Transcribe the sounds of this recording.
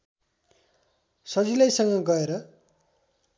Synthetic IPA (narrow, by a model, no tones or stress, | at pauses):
sʌd͡zilʌjsʌŋɡʌɡʌeɾʌ